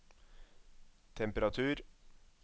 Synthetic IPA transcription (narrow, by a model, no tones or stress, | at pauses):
t̪ʰɛmpəɾɑt̪ʰʉːɾ